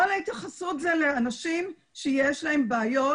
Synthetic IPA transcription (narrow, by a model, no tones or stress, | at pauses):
aleit̪jaχasutzeleanaʃim | ʃejeʃlae̞mbeːjo